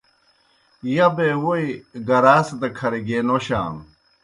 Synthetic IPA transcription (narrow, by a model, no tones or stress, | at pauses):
jɐbewoiɡɐɾaːsd̪ɐkʰɐɾiɡeːnoɕa̰ːn